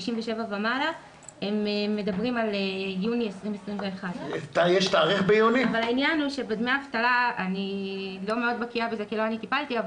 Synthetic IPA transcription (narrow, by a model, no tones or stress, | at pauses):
iʃimveʃe̞vabemala | e̞meːe̞dabʁimalejuniesʁimesʁimve̞ːχadt̪ajeʃt̪aːʁiχbejuniavalainjanuʃe̞bad̪meaːvt̪alaanilo̞meo̞d̪bakiabeze̞kilo̞anit̪ipalt̪iav